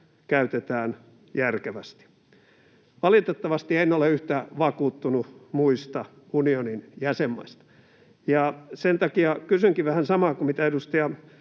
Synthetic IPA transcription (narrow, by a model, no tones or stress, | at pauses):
kæyt̪et̪æːn | jærkeʋæst̪i̥ | ʋɑlit̪et̪ːɑʋɑst̪ienːoleyht̪æʋɑkuːt̪ːunumuist̪ɑ | unioninjæsemːɑ̰ist̪ɑ̥ | jɑsent̪ɑkiɑkysyŋkiʋæhænsɑmɑkumit̪æeɾust̪eɑ